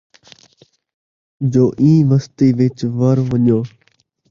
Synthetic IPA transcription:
d͡ʒoːʔĩːʋəst̪iːʋɪt͡ʃʋəɾʋəɲjõː

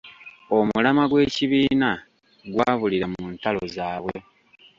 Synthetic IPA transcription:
omulamaɡwe̞ːciβiːna | ɡwaːβuliɾamuːntalo̞zaːβwe

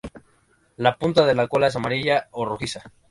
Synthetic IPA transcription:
lapunt̪aðe̞lakolaes̬amaɾiʝaoruxisa

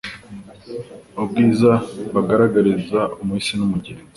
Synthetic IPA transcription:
ob̚ɡiːzaβaɡaɾaɡaɾizaumuisinumuɟiɾe

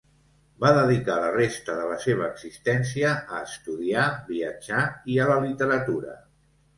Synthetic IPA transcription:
baðəðikalərest̪əðələseβ̞əːɡzist̪ɛnsiəːst̪uðiabiəd͡ʒaiələlit̪əɾət̪uɾə̰

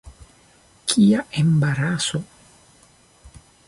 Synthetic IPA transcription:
kʰiaʔembaɾaso

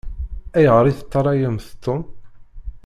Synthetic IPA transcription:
æjʁəɾˤiθə̥t̪ˤːɑɾˤɑjəmθt̪ːʊn

